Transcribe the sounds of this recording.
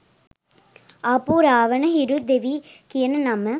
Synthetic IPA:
ɐpuɾaːʋənəɦiɾud̪eʋikijənənɐmə

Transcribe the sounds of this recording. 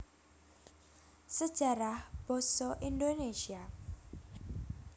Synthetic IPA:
səd̥ʒ̥aɾahb̥ɔsɔʔindonesia

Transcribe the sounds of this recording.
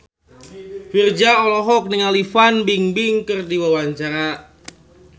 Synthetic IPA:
fird͡ʒaɔlɔɦɔk̚niŋalifanbiŋbiŋkɨrdiwawaɲt͡ʃaɾa

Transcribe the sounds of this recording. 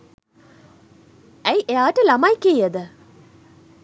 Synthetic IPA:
æjʔeaːʈəlamajkejjəd̪ə

